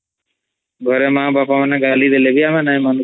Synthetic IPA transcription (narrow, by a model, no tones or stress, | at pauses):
ɡʱɔɾemãbapamanaɡalid̪elebiamenajmanu